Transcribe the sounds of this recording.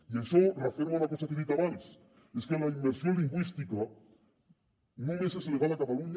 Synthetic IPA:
iaʃorefeɾmaunakosakeðit̪aβans | eskelaimbeɾsjoliŋɡwist̪ika | nõmesaseleɣalakat̪aluɲ

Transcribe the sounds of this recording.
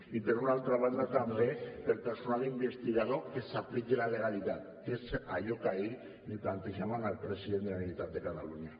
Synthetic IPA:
it̪eɾunalt̪ɾaβand̪at̪amleelpeɾsonalimbest̪iɣaðoesaplikelale̞ɣ̞alit̪at̪ | esajokaej | net̪aːnt̪iʝamanalpɾesiðend̪eanilit̪at̪ekat̪alunja

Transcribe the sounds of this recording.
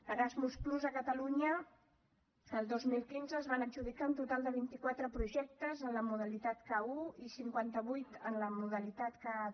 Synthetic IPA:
əɾazmuspluzəkət̪əluɲə | əlˠd̪ozmilˠkinzəːzβanəd͡ʒuðikaunt̪ut̪alˠd̪əβ̞int̪ikwat̪ɾəpɾuʒɛk̚t̪əzənləmuðəlit̪at̪kauisiŋkwant̪əβujt̪ənləmuðəlit̪at̪ka

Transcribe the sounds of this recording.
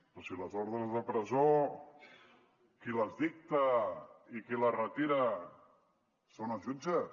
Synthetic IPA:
pɾɔsiləzoɾðɾəzðəpɾəzo | kiləzðik̚t̪aikilərət̪iɾə | sonaʒud͡ʒə

